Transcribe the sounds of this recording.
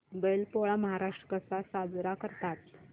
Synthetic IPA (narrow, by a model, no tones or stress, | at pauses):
belpoɭaməɦaɾaʂʈɾəkəsasad͡zɾakəɾt̪at̪̚